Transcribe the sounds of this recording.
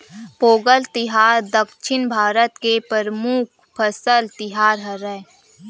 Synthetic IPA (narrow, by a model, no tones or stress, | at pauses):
poːɡəlt̪ɪɦaːɾd̪əkʃʰɪnbʱaːɾət̪kepəɾəmuk̚ʰ | pʰəsəlt̪ɪɦaːɾɦəɾə